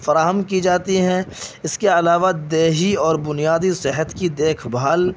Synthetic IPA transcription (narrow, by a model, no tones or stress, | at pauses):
fɐɾaːɦəmkid͡ʒaːt̪iɦɛ̃ɪskeɐlaːʋad̪eːɦiɔːɾbʊnijaːd̪isɪɦət̪kid̪eːkʰbʱaːl